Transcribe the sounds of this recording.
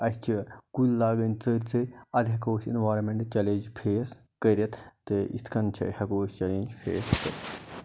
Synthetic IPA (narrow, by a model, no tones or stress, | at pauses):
ɐst͡ʃʰikulʲːaːɡɐnʲt͡səɾʲt͡sɨɐd̪ɐkoːsḭnʋaːɾmẽɳʈt͡ʃɐlend͡ʒpʰeːs | kəɾʲɐt̪t̪ɨḭst̪ʰkʰɐnt͡ʃʰɐ̰hɐkoːst͡ʃɐlend͡ʒpʰeːskɐ̰ɾʲ